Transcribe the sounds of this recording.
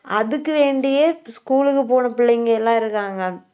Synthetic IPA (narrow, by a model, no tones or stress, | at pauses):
ɐðɯkːɯʋeːɳɖɪjeskuːlɯkːɯp̬oːnɐpɪɭːɐŋɡɐɛlːãːɪɾɯkːaːŋɡɐ